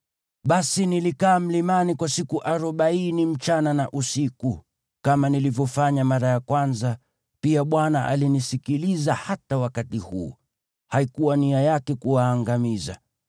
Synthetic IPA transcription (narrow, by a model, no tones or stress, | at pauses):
ɓasinilikaːm̩limanikwasikuʔaɾɔɓainim̩t͡ʃananaʔusiku | kamanilivjɔfaɲamaɾajakwanza | piaɓwanaʔa̰linisikilizahatawakatihṵɔ̰ | haikuwaniajakɛkuwaːŋɡamiza̰